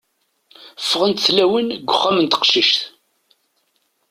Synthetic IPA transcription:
fːəʁənt̪θlæwənɡʷʊχːæmənt̪ə̥qʃiʃθ

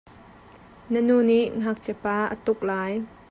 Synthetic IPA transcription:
nənuːniʔŋ̥ak̚t͡sɛpaːʔə̰t̪ʊk̚laːj

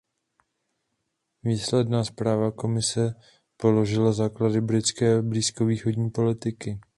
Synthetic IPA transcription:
viːslɛdnaːspɾaːvako̞mɪsɛ | po̞lo̞ʒɪlazaːkladɪbɾɪt͡skɛːbliːsko̞viːxo̞dɲiːpo̞lɪt̪ɪkɪ

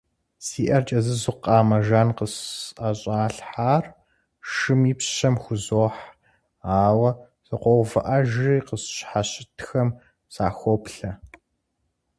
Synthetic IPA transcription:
siːʔɐrt͡ʃʼɐzɨzʊqɑːmɐʒaːnqəsaɕʼaːɬħaːr | ʃɨmiːpɕɐmxʷʊzoːħ | aːwɐ | z̥ɨqʷɔwvɐʔɐʒiqəsɕħaɕɪtʰxɐm | sa̰ːxʷɔpɬɐ

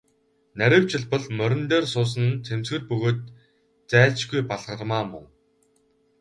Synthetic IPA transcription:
næɾʲɪ̆ːw̥t͡ɕɪ̆ɮpə̆ɮmœɾʲɘ̆nt̪eːrsʊːs̬ə̆nt͡sʰemsɡɘ̆rpɵɣoːt̪ | t͡sæːɮt͡ɕɡujpaɮʁə̆rmaːmʊ̰ŋ

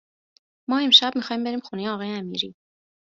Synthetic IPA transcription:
mɒːe̞mʃæbmixɒːhiːmbe̞ɾiːmxunejeɒːɣɒːjeæmḭɾḭː

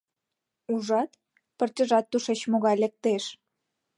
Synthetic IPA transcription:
uʒɑt̪ | pə̆rt̪ʲə̆ʒɑt̪ːuʃet͡ɕmoɣɑjlĕk̚t̪eʃ

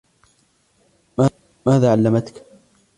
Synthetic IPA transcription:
ma | maːðaːʕalːamat̪k

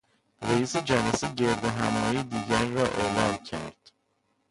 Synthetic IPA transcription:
ɾeiːsed͡ʒælæseɟe̞ɾd̪eɦæmɒːjid̪iːɟæɾːɒːʔe̞lɒːmcʰæ̰ɾd̪̥

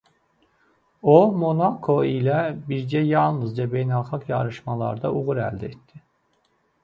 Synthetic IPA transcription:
omo̞nakʰo̞ilʲɛbiɾd͡ʒɛjalˠnɯzd͡ʒabejnalˠxakjaɾɯʃmalˠa̰ɾd̪aʔuɣuɾæ̰lʲd̪ɛɛt̪ʰːɪ

